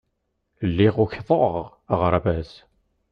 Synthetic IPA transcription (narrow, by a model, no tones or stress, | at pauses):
lːiʁʊçðˤoʁ | əʁɾˤævæs